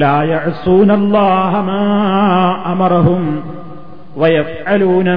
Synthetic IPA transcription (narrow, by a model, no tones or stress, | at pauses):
laːjaʕsuːnɐlˤːɑːɦɐmaː | ʔɐmɑɾˤɑɦʊm | wɐjɐfʕaluːnɐ